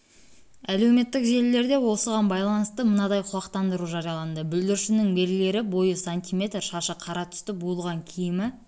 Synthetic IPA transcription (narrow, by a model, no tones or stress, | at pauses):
æle̞wme̞t̪ːɪkʒe̞lːe̞ɾd̪e̞wo̞səʁɑnbɑjlˠɑnəst̪əmənɑd̪ɑjqʰʊlˠɑqt̪ɑnd̪əɾuʒɑɾijɑlˠɑnd̪əbʏld̪ɪɾʃɪnɪŋbe̞ɾɡʲɪle̞ɾɪbo̞jəsanʲt̪ʲijmʲe̞t̪rʃɑʃəqʰɑɾɑt̪ʰʏ̥st̪ɪbulˠʁɑŋkʲʰijɪmɪ